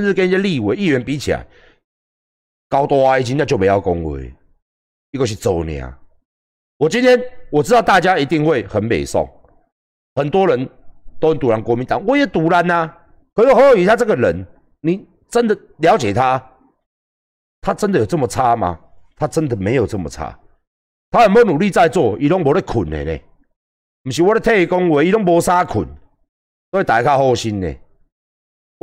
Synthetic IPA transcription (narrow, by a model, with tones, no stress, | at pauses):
ə˥˦nsɻ̩˥˩kə˥˦ni˨˩ə˦li˥˨we˨˧˦i˥˨ɥɛ˨˧˦npi˧˦t͡ɕʰi˨la̰˨˧˦ɪ | kaɑ˨˦ʊt̪wɔ˦a˧i˨˩t͡ɕi˧˦na˥˧˩t͡ɕjo˥˧me˨˧˦ja˥˧˩kɔ˦˥ŋwḛ˨˩ɪ | i˥˧kə˧˩ɕ̬i˥˧t͡so˨˩ʊnḭ˨˩a̰˨˩ | wɔ˨˩t͡ɕi˦nt̪ʰjɛ˦˥nwɔ˨˩t͡sɻ̩˥t̪ɑ˥˧ʊt̪a˥˨t͡ɕja˦i˧˦t̪i˥˧ŋxwe˥˩ɪxə˨˦npḛ˨˩ɪsɔ̰˥˨ŋ | hə˨˩nt̪wɔ˥ɻə˨˦nt̪o˥ʊə˨˦nt̪u˨˦la˨˦nkwɔ˧˦mi˨˦nt̪ɑ˨˩ŋwɔ˨˦jɛ˨˩t̪u˨˥la˨˦na˨ | kʰo˧i˦wo˨˩ho˧˦o˨˩y˨t̪ʰa˦t͡sɤ˥˩ɡə˨ɻə˨˦n | nĩ˨ | t͡sə˦nd̪ə˨ | lja˨˦ʊt͡ɕje˨˩t̪ʰa˦ | t̪ʰa˦t͡sə˦nd̪jo˨˩t͡sə˥˧˩mə˨t͡sʰa˦mã̰˧t̪ʰa˦t͡sə˦nd̪ə˨mẽ˨˦jo˨˩t͡sə˥˧˩mə̰˨t͡sʰa̰˦ | t̪ʰa˦hə˨˦nbo˨˦nũ˨li˥˧t͡sa˥˧ɪt͡swɔ˥˧˨i˨˧ɾɔ˦ŋbɔ˨˦ɾe˦kʰu˨˩nḛ˨˩nḛ̃˨ | m̩˨˩ɕi˨wɔ˦ɾe˥˦t̪ʰe˥˧˨kɔ˦ŋwe˨˧˦i˦ɾɔ˦ŋbɔ˧˦sa˦kʰṵ˨˩n | t̪ɔ˧˦e˦t̪a˨˦˨kʰa˥˧hɔ˥˧ɕi˦nːḛ˨˩